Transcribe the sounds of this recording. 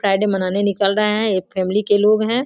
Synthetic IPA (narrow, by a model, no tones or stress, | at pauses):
pɾaːɪɖemɐnaːnenɪkəlɾəɦeɦɛ̃eːkfʰɛːmlikeloːɡɦɛ̃ː